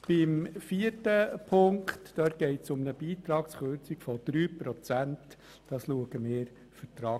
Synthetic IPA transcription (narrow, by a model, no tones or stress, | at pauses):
b̥ɪmfiəɾtəpʰʊŋktd̥œːt̚ɡ̥ɛɪtsʊmnəbiːt̪ɾɑːksχøːɾt͡sikfɔd̪̥ɾyːpɾɔt͡sænt | d̥ɑːsluəɡ̥əmɪːɾ | fətɾɑː